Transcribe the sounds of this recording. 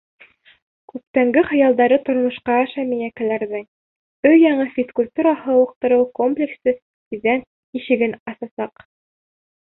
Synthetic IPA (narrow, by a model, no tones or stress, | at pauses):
kʉp̚t̪æŋɡɘχɤ̆jɑlˠd̪ɑɾɤt̪ŏɾmŏʃqɑʃæmijækælæɾðɘŋ | ɵjjɑɴɤfʲiskulʲt̪uɾɑhɤɤ̆q̚t̪ɤ̆ɾɤwkomplʲeksɘ | iðæn | iʃɘ̆ɡɘnɑsɑsɑq